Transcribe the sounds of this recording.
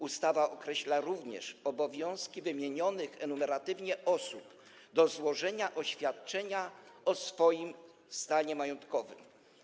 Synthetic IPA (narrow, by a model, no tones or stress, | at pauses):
ust̪avaʔɔkɾɛɕlaɾuvɲɛ̰ʂɔbɔvʲjɔ̃w̃skʲivɘmʲjeɲɔnɘxɛnumɛɾat̪ɘvɲɛʔɔsup | d̪ɔzwɔʐɛɲaʔɔɕfʲjat̪̚t͡ʂɛɲaɔsfɔjim | st̪aɲɛmajɔnt̪kɔvɘ̰m